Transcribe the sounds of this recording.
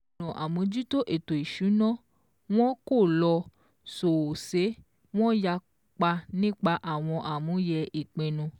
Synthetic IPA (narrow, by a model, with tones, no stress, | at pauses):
ɔ̃˨ʔa˨mũ˨˦d͡ʒu˦to˦ʔe˨to˨i˨ʃu˨˦nɔ̃˦ | w̃ɔ̃˦ko˦˨lɔ˧ | so˨se˨˦ | w̃ɔ̃˦ja˧ | k͡pa˧nĩ˦k͡pa˧ʔa˦˨w̃ɔ̃˧ʔa˨mũ˨˦jɛ˧i˨k͡pẽ˧nũ˧